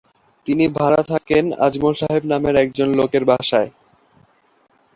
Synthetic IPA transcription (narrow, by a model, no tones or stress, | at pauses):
t̪inibʱaɾat̪ʰakena̰d͡ʑmolʃaɦebnameɾɛk̚d͡ʑonlokeɾbʱaʃae